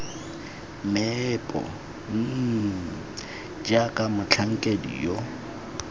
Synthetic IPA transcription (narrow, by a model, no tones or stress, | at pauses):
mɛpʼɔ̰ | d͡ʒakʼamʊt͡ɬʰaŋ̩kʼedḭjo